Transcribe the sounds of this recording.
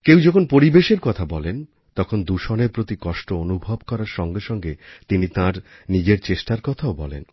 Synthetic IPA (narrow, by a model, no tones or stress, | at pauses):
kewd͡ʑɔkʰonpoɾibeʃeɾkɔt̪ʰabɔlen | t̪ɔkʰond̪uʃoneɾpɾot̪ikɔʃʈoonubʱobkɔɾaɾʃɔŋɡeʃɔŋɡet̪init̪ãɾnid͡ʑeɾt͡ɕeʃʈaɾkɔt̪ʰaobɔlḛn